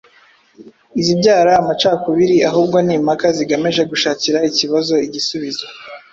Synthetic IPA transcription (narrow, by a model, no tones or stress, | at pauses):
izibɟaːɾaːmat͡ʃaːkuβiɾiaɦuːb̚ɡoniːmakaziɡameʒe̞ɡuʃaːciɾaiciβazo̞iɟisuβizo